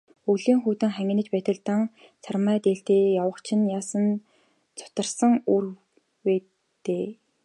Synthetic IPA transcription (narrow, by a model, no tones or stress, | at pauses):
uɮiːŋxuːt̪ɘ̆ŋχæŋɡʲɪ̆nə̆t͡ɕpæːt̪ə̆ɮt̪ə̆ŋ | t͡sʰarmæːt̪eːɬt̪eːjawə̆χt͡ɕʰɪ̆njaːsə̆n | t͡sʰʊ̥t̪ə̆rsə̆ŋuːr | weː | t̪eː